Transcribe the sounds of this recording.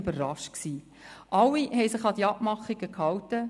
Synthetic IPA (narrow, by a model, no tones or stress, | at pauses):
bəɾːɑʃt̚ksiː | ʔɑlːihɛɪsɪχɑd̥̪iɑbmɑχiɡəkhɑwtə